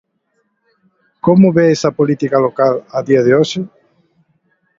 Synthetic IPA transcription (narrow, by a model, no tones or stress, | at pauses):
komʊβeesɐpolit̪ikalokalɐðiɐðɪoʃɪ